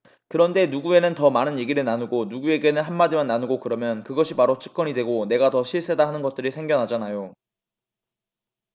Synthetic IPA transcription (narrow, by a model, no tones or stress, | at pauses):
kɯɾʌnde̞nuɡue̞nɯntʌmanɯnje̞ɡiɾɯɭnanuɡonuɡue̞ɡe̞nɯnɦanmadimanːanuɡokɯɾʌmjʌnkɯɡʌɕʰipaɾot͡ɕʰɯ̥k̚k͈ʌnidwe̞ɡone̞ɡatʌɕʰiɭs͈e̞daɦanɯnɡʌt̚t͈ɯɾisʰe̞ŋɡjʌnɦad͡ʑanajo